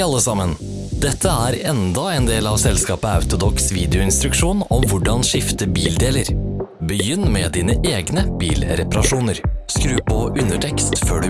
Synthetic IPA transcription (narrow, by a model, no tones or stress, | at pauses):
ɑlːəsɑmːən | d̪ɛt̪ʰːəæɾɛnd̪ɑɛnd̪eːlɑʋsɛlskɑːpəɑ̰ʉt̪ʊd̪ɔksʋiːd̪ɛʊɪnst̪ɾʉkʂuːnɔmʋʊɖɑnʂɪft̪əbiːld̪eːləɾ | bəjʏnːmɛd̪iːnəʔeːɡnəbiːlɾɛpɑɾɑʂuːnəɾskɾʉːpʰɔʔʉnəʈʰɛkst̪føːɖʉ